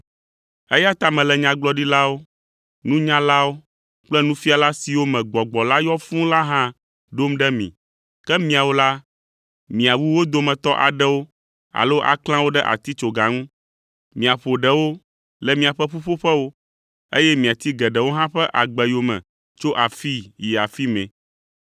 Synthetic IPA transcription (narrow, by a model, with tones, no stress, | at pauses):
ɛ˦ja˦t̪a˨mɛ̃˨lɛ˨ɲã˨ɡ͡blɔ˦ɖi˦la˦wo˦ | nũ˦ɲã˦la˦wo˦ | k͡plɛ˦nũ˦fi˦a˨la˦si˨wo˦mɛ̃˨ɡ͡bɔ˨ɡ͡bɔ˨la˦jɔ˦fũ˦la˦ɦã˦ | ɖo˦mɖɛ˦mḭ̃˨ | kɛ˦mĩ˨a˨wo˦la˦ | mĩ˨a˨wu˦wo˦d̪o˨mɛ̃˨t̪ɔ˦ʔa̰˨ɖɛ˦wo˦ | a̰˨lo˦ʔa̰˨klã˦wo˦ɖɛ˦ʔa̰˨t̪i˦t͡ʃo˨ɡa˨ŋũ˦ | mĩ˨a˨ɸo˨ɖɛ˨wo˦ | lɛ˨mĩ˨a˨ɸɛ˦ɸu˦ɸo˦ɸɛ˦wo˦ | e˦jɛ˦mĩ˨a˨t̪i˦ɡɛ˨ɖɛ˨wo˦ɦã˦ɸɛ˦ʔa˨ɡ͡bɛ˨jo˨mɛ̰̃˨ | t͡ʃo˦ʔa˨fi˦ji˨a˨fi˦mɛ̰̃˨